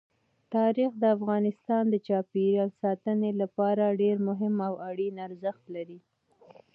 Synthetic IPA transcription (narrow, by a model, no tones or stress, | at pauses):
t̪ɑɾixd̪əafɣɑnɪst̪ɑnd̪ət͡ʃɑpeɾɑlsɑt̪ənelapɑɾaɖeɾmʊɦɪmawaɽinaɾzəxt̪laɾi